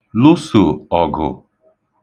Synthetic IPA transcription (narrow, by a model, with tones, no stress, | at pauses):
lu˦su˨ɔ˨ɡʊ̰˨